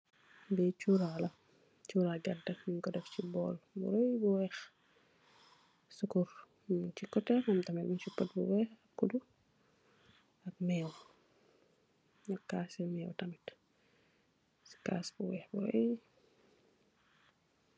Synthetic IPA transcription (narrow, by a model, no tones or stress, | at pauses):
bɛt͡ʃuːɾalɐ | t͡ʃuːɾaɡɐntɐjuŋkɔdɛft͡ʃibɔːlbṵɾɔjbuwɛx | sukuɾ | t͡ʃikɔtɛɐmtɐmɛlmunt͡ʃupːɐt̚bṵwɛːxɐkːudu | ɐk̚mɛːw | ɲɐkːaːsɛmɛːwtɐmit | si̥ka̰ːsbuwɛːxbuɾɔ̰j